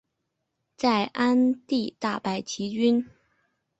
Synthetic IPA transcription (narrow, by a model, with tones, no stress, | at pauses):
t͡sa˥˩ɪʔa˥nt̪i˥˧t̪a˥˩pa˧˩ɪt͡ɕʰi˧˥t͡ɕy˥n